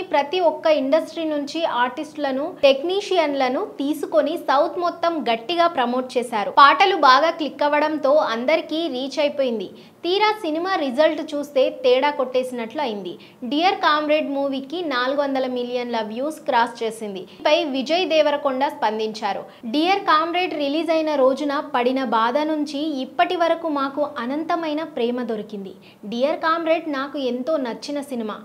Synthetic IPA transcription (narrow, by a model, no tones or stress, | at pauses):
pɾɐt̪iɔkːɐiɳɖɐsʈɾiːnuɲt͡ʃiaːɾʈisʈlɐnuʈe̞kniːʂijɐnlɐnut̪iːsuko̞nisɐwt̪ʰmɔt̪ːɐmɡɐʈːiɡaːpɾɐmo̞ːʈ̚t͡ʃeːsaːɾupaːʈɐlubaːɡaːklikːɐʋɐɽɐnt̪o̞ːɐnd̪ɐɾikiːɾiːt͡ʃɐjpoːjind̪i | t̪iːɾaːsinimaːɾid͡ʒɐlʈt͡ʃuːst̪e̞ːt̪ɛːɽaːkoʈːe̞ːsinɐʈluɐjind̪i | ɖiːjɐɾkaːmɾe̞ːɖmuːʋikːinaːluɡuʋɐnd̪ɐlɐmilijɐnlɐʋjuːskɾaːst͡ʃe̞ːsind̪ipɐjʋid͡ʒɐjd̪ɛːʋɐɾɐkuɳɖaːspɐnd̪iɲt͡ʃaːɾṵ | ɖiːjɐɾkaːmɾeːɖɾiliːd͡ʒɐjnɐɾo̞ːd͡ʒunɐpɐɽinɐbaːd̪ɐnuɲt͡ʃiːpːɐʈiʋɐɾɐkumaːkuʔɐnɐnt̪ɐmɐjnɐpɾɛːmɐd̪o̞ɾikind̪i | ɖijɐɾkaːmɾe̞ːɖnaːkuent̪o̞ːnɐt͡ʃːinɐsinima̰ː